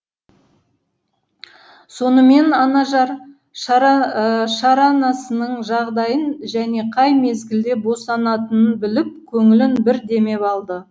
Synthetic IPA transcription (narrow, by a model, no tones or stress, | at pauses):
so̞nəme̞nɑnɑʒɑɾ | ʃɑɾɑnɑsənəɴʒɑʁd̪ɑjənʒæne̞qʰɑjme̞zɡʲɪld̪e̞bo̞sɑnɑt̪ənənbɪlɪp̚kʲʰɵŋɪlɪnbɪɾd̪e̞me̞pɑlˠd̪ə